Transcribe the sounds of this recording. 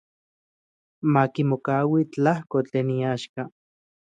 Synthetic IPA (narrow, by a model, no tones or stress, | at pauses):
makimokaːwit͡ɬahkot͡ɬeːniaːʃka